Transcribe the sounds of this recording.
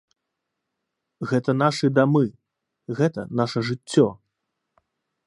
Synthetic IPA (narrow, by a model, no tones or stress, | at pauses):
ɣɛt̪ɐn̪aʂɨd̪amɨ | ɣɛt̪ɐ̰naʂɐʐɨt͡sʲːɔ